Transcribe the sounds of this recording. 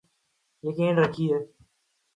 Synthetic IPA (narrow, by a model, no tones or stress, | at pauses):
jəkẽːnɾəkʰiːɦɛː